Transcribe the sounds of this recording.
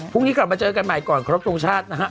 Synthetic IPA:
pʰu˥˩ŋniː˦˥kla˨˩p̚maː˧t͡ɕɤː˧ka˧nma˨˩jkɔː˨˩nkʰɔ˧ɾo˦˥p̚t̪ʰo˧ŋt͡ɕʰaː˥˩t̪̚na˦˥kʰa˦˥

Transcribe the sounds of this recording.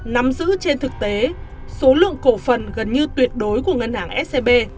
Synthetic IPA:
na˨˦mzɨ̰˧˥t͡ɕe˧nt̪ʰɨ˨˩k̚t̪e˨˦ | so˨˦lɨ̰˧˨əŋko˧˩fə˨˩nɣə˨˩nɲɨ˧t̪wi˨˩ət̚ɗo˨˦jku˧˩əŋə˧nhaː˧˩ŋʔɛ˦˥t̚se˧ɓe˧

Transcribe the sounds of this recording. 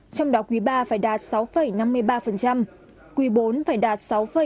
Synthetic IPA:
t͡ɕɔ˧wŋ͡mɗɔ˨˦kwi˨˦ɓaː˧faː˧˩jɗaː˨˩t̚sa˨˦wfə˨˩jna˧mːɨ˧əjɓaː˧fə˨˩nt͡ɕa˧m | kwi˨˦ɓo˨˦nfaː˧˩jɗaː˨˩t̚sa˨˦wfə˨˩

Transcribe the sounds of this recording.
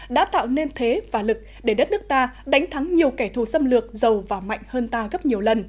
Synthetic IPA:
ɗa̰ː˧˥t̪a̰ː˧˨wne˧nt̪ʰe˨˦vaː˨˩lɨ˨˩k̚ɗe˧˩ɗə˦˥t̚nɨ˦˥ək̚t̪aː˧ɗa˨˦jŋ̟t̪ʰa˨˦ŋɲi˨˩əwkɛ˧˩t̪ʰu˧˩sə˧mlɨ˨˩ək̚zə˨˩wvaː˨˩ma̰˧˨jŋ̟həː˧nt̪aː˧ɣə˦˥p̚ɲi˨˩əwlə˨˩n

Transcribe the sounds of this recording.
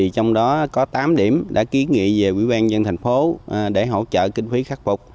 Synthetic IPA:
i˨˩t͡ɕɔ˧wŋ͡mɗɔ˨˦kɔ˨˦t̪aː˨˦mɗi˧˩əmɗa̰ː˧˥ki˨˦nŋḭ˧˨ve˨˩ʔwḭ˧˥ɓaː˧nzə˧nt̪ʰa˨˩ŋ̟fo˨˦ɗe˧˩ɦo̰˧˨t͡ɕə̰ː˧˨kï˧ŋ̟fi˨˦xaː˦˥k̚fʊ˨˩k͡p̚

